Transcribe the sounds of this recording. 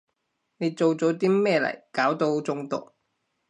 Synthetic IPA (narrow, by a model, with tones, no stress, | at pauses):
ne˨˧jt͡so˨wt͡sɔ˨˧˥wt̪̬iː˥mɛː˥˧lɐ̰˨˩jkaː˨˥wt̪o˧wt͡sʊ˧ŋt̪ʊ̰˨k̚